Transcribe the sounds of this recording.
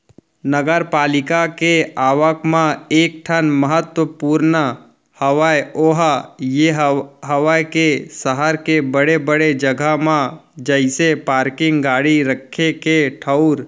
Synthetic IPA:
nəɡəɾpaːlɪkakeaːʋəkmãeːk̚ʈʰənməɦət̪wəpuːɾnə | hɐʋajoːɦajeɦɦɐʋajkesəɦəɾkebəɽebəɽed͡ʒəɡʱamã | d͡ʒəɪsepaːɾkɪ̃ŋɡɡaːɽiɾəkʰːekeʈʰəʊɾ

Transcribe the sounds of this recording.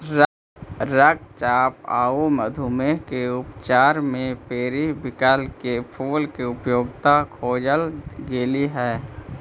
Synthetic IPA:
ɾək̚t͡ʃaːpa̰ːuməd̪ʱumekeʊpt͡ʃaːɾmẽpeːɾibɪkaːlkepʰoːlkeʊpjoːɡt̪akʰoːd͡ʒəlɡeːliɦɛː

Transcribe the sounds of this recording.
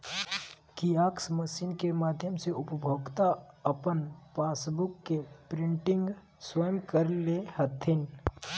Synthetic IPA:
kijaːksməʃiːnkemaːd̪ʱjəmseʊpəbʱoːɡt̪aɐpənpaːsbʊkːepɾɪ̃ɳʈɪ̃ŋɡ | swəjəmkəɾlehɐt̪ʰɪn

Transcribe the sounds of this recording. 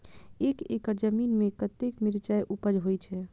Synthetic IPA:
ekḛkəɾd͡ʒəminmekət̪ekmiɾt͡ʃajʔupəd͡ʒɦojt͡ʃʰɛ

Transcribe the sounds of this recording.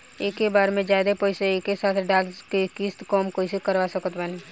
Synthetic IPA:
eːkːebaːɾmẽd͡ʒjaːd̪epoːɪseeːkesaːt̪ʰɖaːlkekiːst̪kɔːmkoːɪsekəɾʋasəkət̪baːni

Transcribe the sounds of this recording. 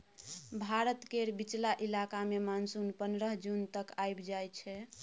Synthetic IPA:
bʱaɾət̪keɾbit͡ʃlaʔilakamemansunpənɾəɦd͡ʒunt̪əkajbd͡ʒajt͡ʃʰɛ

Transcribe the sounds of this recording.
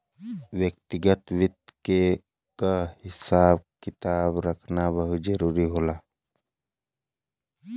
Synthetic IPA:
ʋjək̚t̪ɪɡət̪ʋɪt̪̚ke | kahɪsaːb̚kɪt̪aːbɾəkʰnabəɦʊt̪zəɾuːɾiɦoːlaː

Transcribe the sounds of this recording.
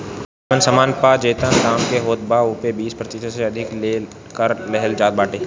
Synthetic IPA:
ənsɐmaːnpad͡ʒeːt̪ənd̪ãːmkeɦoːt̪̚bauːpebiːspɾət̪ɪt̪ʰəseɐd̪ʱɪke | kəɾlɛɦəld͡ʒaːt̪̚baːʈeː

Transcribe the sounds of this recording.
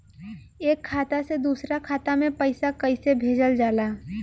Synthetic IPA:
eːkʰːaːt̪ased̪uːsɾakʰaːt̪amẽpəɪsakəɪsebʱeːd͡ʒəld͡ʒaːlaː

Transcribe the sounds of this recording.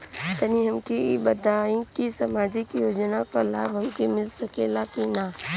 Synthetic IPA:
t̪ɐniɦɐmkibət̪aːĩkisamaːd͡ʒɪkjoːd͡ʒnakala̰ːbɦɐmkemɪlsɐkelakinaː

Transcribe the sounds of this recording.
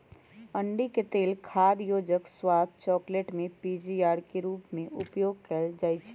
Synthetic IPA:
əɳɖiket̪eːlkʰaːd̪joːd͡ʒəkswaːt̪̚t͡ʃɔːkleːʈmẽpiːd͡ʒiaːɾkeɾuːpmẽʔʊpjoːɡ̚kɛld͡ʒaːit͡ʃʰɛ̥

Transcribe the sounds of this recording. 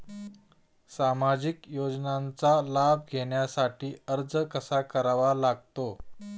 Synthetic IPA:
samad͡ʑikjod͡znant͡salabʱɡʱeɳjasaʈiːəɾd͡zəkəsakəɾaʋalaɡ̚t̪o

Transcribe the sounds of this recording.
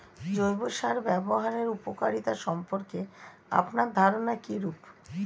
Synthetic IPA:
d͡ʑojboʃaɾbɛboɦaɾeɾupokaɾit̪aʃɔmpoɾke | a̰pnaɾd̪ʱaɾonakiɾup

